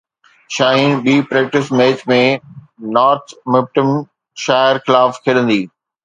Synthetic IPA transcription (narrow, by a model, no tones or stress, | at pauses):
ʃaːɦĩɓiːpɾɛːk̚ʈɪsmeːtmẽ | nɔːɾt̪ʰmɪp̚ʈɪm | ʃaːɪɾxɪlaːfkʰɪɗə̃nd̪iː